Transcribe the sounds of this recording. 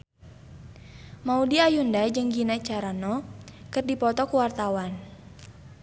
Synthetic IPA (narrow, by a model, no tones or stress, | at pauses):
maudiajundad͡ʒɨŋɡinat͡ʃaɾanɔkɨrdipɔt̪ɔkuwart̪awan